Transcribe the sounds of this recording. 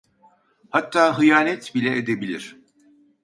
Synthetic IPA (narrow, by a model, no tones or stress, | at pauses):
hat̪ʰːaːɦɯjaːnɛt̪bilʲɛʔed̪ebilʲiɾ̥